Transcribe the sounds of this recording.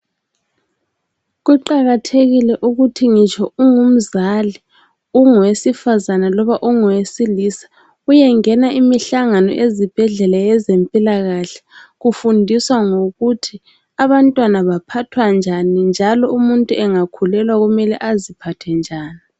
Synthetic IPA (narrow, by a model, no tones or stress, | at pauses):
ɣuǃaɣatʰeɣilɛʔuɣutʰiŋit͡ʃʰʼɔuŋum̩zali | uŋwesifazanalɔβaʔuŋɔwesilisḁ | ujɛŋɛnaʔimiɬaŋanɔ̰ʔezib̥ʱɛɮɛlajɛzempʼilaɣaɬɛ̥ɣufundʱiswaŋoɣutʰi | aβantʼwanaβapʰatʰwand͡ʒʱanind͡ʒʱalɔumuntʼuɛŋakʰulɛlwaɣumɛlɛʔazipʰatʰɛnd͡ʒʱaːni